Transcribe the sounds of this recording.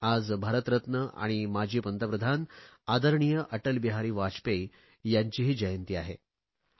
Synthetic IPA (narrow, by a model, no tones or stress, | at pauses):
ad͡zbʱaɾət̪ɾət̪nəʔa̰ɽ̃imad͡ʑʱiːpənt̪əpɾəd̪ʱanad̪əɾɳijəʔəʈəlbiɦaɾiːʋat͡ɕpej | jaɲt͡ɕiːɦiːd͡ʑəjənt̪iːaɦe